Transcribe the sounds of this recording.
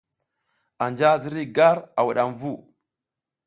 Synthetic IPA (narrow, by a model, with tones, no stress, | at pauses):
a˨nd͡ʒa˦zi˦ɾi˦ɡa˦ɾa˨wa˨ɗa˨nvu˦˨